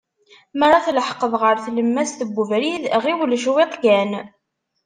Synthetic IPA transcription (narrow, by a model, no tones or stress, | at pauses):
məɾˤːɑθləħqːəðˤʁəɾθləmːæsθəbːuvɾiðʁiwlʃweq̪ɡæn